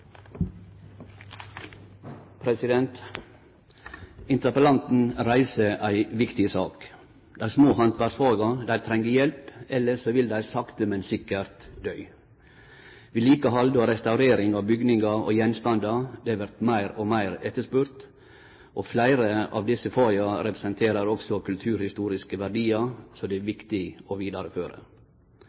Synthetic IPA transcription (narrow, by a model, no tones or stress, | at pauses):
pʰɾɛsɪd̪ɛnt̪ | ɪnt̪əpəlɑnt̪n̩ɾæɪsəʔæɪʋɪkt̪ɪsɑ̰ːk | d̪̥æɪsmoːhɑnt̪ʋæʂfɑːɡɑd̪æɪt̪ʰɾɛŋɡəjɛlpɛlːəʂoːʋɪld̪æɪsɑkt̪əmɛnsɪkəɾt̪d̪œʏ | ʋɪliːkəɦɑld̪ɔɾɛst̪ɑʉɾeːɾɪŋɑʋbʏɡnɪŋɡɑɔ̰jɛnst̪ɑnd̪ɑd̪ɛʋæɾt̪mæɪɾɔmæɪɾɛt̪ːəʂpʉɾt̪ | ʔɔflæɪɾəɑ̰ʋd̪ɪsːəfɑːɡɑɾɛpɾəsɛnt̪ʰeːɾəɾɔksɔkʰʉlt̪ʰʉːɾhɪst̪uːɾɪskəʋæɾɖiːɑsɔd̪ɛæʋɪkt̪ɪɔʋiːd̪ɑɾəføːɾə̰